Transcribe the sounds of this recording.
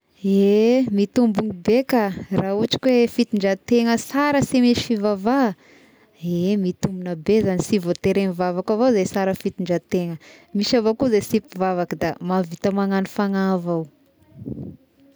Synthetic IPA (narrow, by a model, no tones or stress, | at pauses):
emit̪umbuŋibekarauʈ͡ʂi̥kwefit̪iɳɖ͡ʐat̪eŋəsaɾəsimiʃi̥fivava | emit̪umbunəbezanisivot̪eɾeŋivavakavozesaɾəfit̪iɳɖ͡ʐat̪eŋəmiʃavokuzesipivavakəd̪amavit̪əmaŋanifaŋavaw